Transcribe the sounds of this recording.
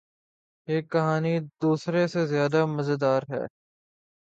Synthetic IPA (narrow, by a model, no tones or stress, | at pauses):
eːkːɐɦaːnid̪uːsɾesezɪjaːd̪amɐzd̪aːɾɦɛ̰ː